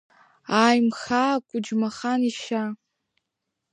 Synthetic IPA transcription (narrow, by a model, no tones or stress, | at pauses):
ajmxaːkʷʼʊd͡ʒmaχaniʃa